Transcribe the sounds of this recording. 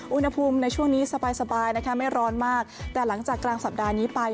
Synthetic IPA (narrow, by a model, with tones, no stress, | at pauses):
ʔu˧nha˧pʰuː˧mna˧jt͡ɕʰu˥˩əŋniː˦˥sa˧baː˧jsa˧baː˧jna˥kʰa˦˥ma˥˩jɾɔː˦˥nmaː˥˩k̚t̪ɛː˨˩la˩˦ŋt͡ɕaː˨˩kːlaː˧ŋsa˨˩p̚daː˧niː˦˥pa˧j